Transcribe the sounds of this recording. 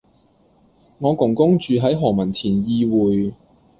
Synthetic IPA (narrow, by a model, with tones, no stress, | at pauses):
ŋɔː˨˧kʊ˨˩ŋkʊ˥ŋt͡ʃyː˨˧ɦɐ˨˥jɦɔː˨˩ŋmɐ˨˩nt̪ʰiː˨˩njiː˧wuː˨j